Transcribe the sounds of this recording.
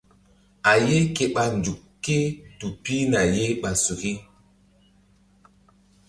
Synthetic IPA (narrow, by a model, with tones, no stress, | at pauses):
a˨je˦ke˨ɓa˨n˨d͡ʒu˨kkːe˦tu˨pi˦na˨je˦ɓa˨su˨ki˦